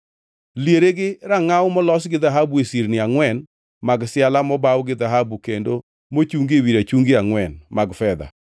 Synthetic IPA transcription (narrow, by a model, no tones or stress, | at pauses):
ljeɾeɡɪɾaŋawmɔlɔsɡɪðaɦabuesiɾnɪaŋwɛn | maɡsɪalamɔbawɡɪðaɦabukendo | mot͡ʃuŋɡewiɾat͡ʃuŋɡeaŋwɛnmaɡfɛd̪a̰